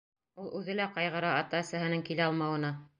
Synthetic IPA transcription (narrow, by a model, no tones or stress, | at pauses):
ulˠʉðɘ̆læqɑjʁɤ̆ɾɑːt̪ɑsæɦɘ̆nɘŋkilæɑlˠmɑwɤ̆nɑ